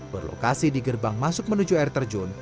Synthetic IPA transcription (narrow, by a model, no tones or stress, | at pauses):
b̥ərlo̰kasidiɡərbaŋmasʊk̚mənud͡ʒuɛrt̪ərd͡ʒɔn